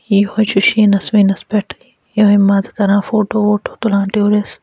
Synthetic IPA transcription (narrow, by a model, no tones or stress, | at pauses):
ihot͡ʃuʃinɐsʋĩnɐspeʈʰ | ɦojmaːzkɐɾãːfoːʈoːoːʈʰo̥t̪ulãːʈioːɾes